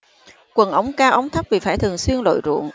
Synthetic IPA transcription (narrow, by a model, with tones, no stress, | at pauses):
kwə˨˩nʔə˨˦wŋ͡mkaː˧wʔə˨˦wŋ͡mt̪ʰə˦˥p̚vi˨˩faː˧˩jt̪ʰɨ˨˩ŋswi˧ənlo̰˧˨jzṵ˧˨əŋ